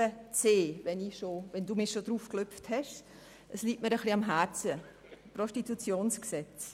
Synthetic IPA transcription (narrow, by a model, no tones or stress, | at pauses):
ət͡seːvɛniʃovɛnduːmɪʃodɾuːfkløpp͡fthɛʃ | əsliːt̚məɾəχliamɦɛɾt͡sə | proʃtitut͡sjoːnsksɛt͡s